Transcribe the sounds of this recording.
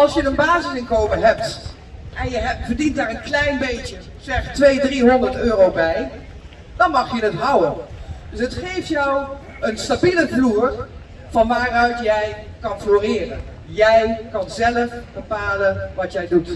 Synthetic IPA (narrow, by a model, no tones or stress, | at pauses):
ʔɑlˠsjədənbaːzɪsɪnkowmənɦɛp̚t | ʔɛnjəvəɹdintdaːɹənklɛjnbejtə | z̥ɛχtʋejdriɦɔndəɹtøːrowbɛj | d̥ɑnmɑχjənətɦʌwənd̥ɵsətχejftjɔw | ənstabiləvluːr | v̥ɑnʋaːrœɥtjɛj | kɑnfloːrɪːrən | jɛjkɑnzɛləfb̥əpaːlənʋɑtjɛjdut